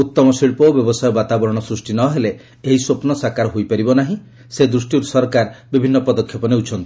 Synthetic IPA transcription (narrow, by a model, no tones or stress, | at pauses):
ut̪ːɔmɔsiɭpɔbjɔbɔsajɔbat̪abɔɾɔɽ̃ɔsɾusʈinɔɦele | eɦisopnɔsakaɾɔɦojpaɾibɔnaɦĩ | sed̪ɾusʈiɾsɔɾkaɾbibʱinːɔpɔd̪ɔkʰjɔpɔneut͡ʃʰɔnt̪i̥